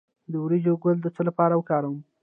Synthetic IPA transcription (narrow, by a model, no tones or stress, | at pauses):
d̪əwɾid͡ʒoɡʊld̪ət͡səlapɑɾawəkɑɾawəm